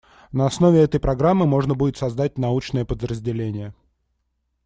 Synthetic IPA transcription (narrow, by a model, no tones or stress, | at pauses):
nəɐsnovʲɪɛt̪əjpɾɐɡɾamːɨmo̞ʐnəbudʲɪt̪sɐzd̪at̚ʲnɐut͡ɕnəjəpəd̪ɾəzʲdʲɪlʲenʲɪjə